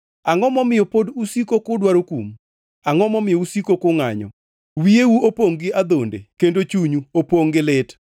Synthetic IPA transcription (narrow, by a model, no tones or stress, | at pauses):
aŋɔmɔmɪjɔpodusikokʊdwaɾokum | aŋɔmɔmɪjɔusikokʊŋaɲɔ̰ | wiewuopoŋɡɪad̪ondḛkendot͡ʃuɲuopoŋɡɪlɪt